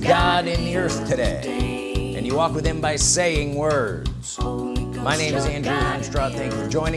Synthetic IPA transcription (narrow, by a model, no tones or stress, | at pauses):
ɡɑɾɪ̃nðiɜ˞θtʰɨɾeɪ | ʔɨ̰̃njɨwɔkwɨð̥ɨ̃mbaɪseɪɪ̃ŋwɜ˞dz̥ | maɪnẽɪ̃mɨzæ̃ndɹuæ̃nstɹ̥ɑd̪̚θæ̃ŋkfə˞d͡ʒɔ̃ɪ̃nɪ̃